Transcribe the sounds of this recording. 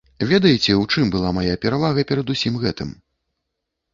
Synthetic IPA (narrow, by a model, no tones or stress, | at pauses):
vʲɛd̪ɐjit͡sʲɛwt͡ʂɨmbɨlˠamajapʲɛɾavaɣɐpʲɛɾɐd̪usʲimɣɛt̪ɨ̰m